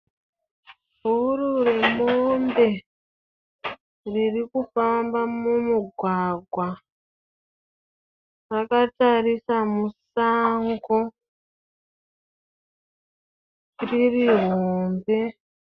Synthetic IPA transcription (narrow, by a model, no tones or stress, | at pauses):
ɦuuɾure̞mombe̞ | ririkufambamumuɡʱwaɡʱwa | rakatarisamusaŋɡo | ririɦoːmbe